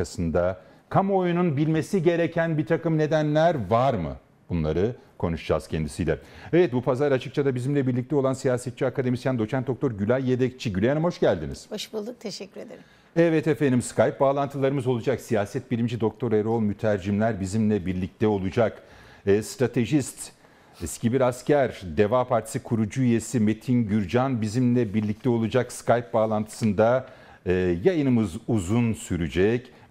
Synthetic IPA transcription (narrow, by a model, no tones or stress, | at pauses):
asɯnd̪a | kʰamo̞jununbilʲme̞siɟe̞ɾecʰænbiɾt̪ʰakɯmne̞d̪ænlʲæɾvaɾmɯ̰ | b̥unlˠaɾɯkʰo̞nuʃd͡ʒa̰ːz̥cʰɛnd̪isijlʲɛevɛt̪̚bupʰazaɾat͡ʃʰɯ̥kt͡ʃʰad̪abizimlʲɛbiɾlʲic̚t̪ʰɛo̞lˠansijaːsɛt̪̚t͡ʃʰːiakad̪emist̪jænd̪o̞t͡ʃʰænt̪o̞k̚t̪ʰo̞ɾɟylʲajːed̪ɛc̚t͡ʃʰiɟylʲeanmho̞ʃɟælʲd̪inḭz̥oʃbulˠuk̚t̪ʰeʃɛcʲːyɾed̪ei | ɛvɛt̪efend̪ʲimskʰajp̚baːlˠant̪ʰɯlˠaɾɯmɯzo̞lˠud͡ʒaksijaːsɛt̪̚bilʲimd͡ʒid̪o̞k̚t̪ʰo̞ɾeɾo̞lˠmyt̪ʰæɾd͡ʒimlʲæɾbizimlʲɛbiɾlʲic̚t̪ʰɛo̞lˠud͡ʒakː | st̪ɾat̪ʰe̞ʒist̪ | ɛscibiɾascæɾd̪e̞vaːpʰaɾt̪ʰi̥sɯkʰuɾud͡ʒuyje̞sime̞t̪ʰinɟyɾd͡ʒanbizimlʲɛbiɾlʲic̚t̪ʰɛo̞lˠud͡ʒakskajp̚baːlˠant̪ʰɯ̥sɯnd̪aː | jajɯnɯmɯzuzunsyɾyd͡ʒɛc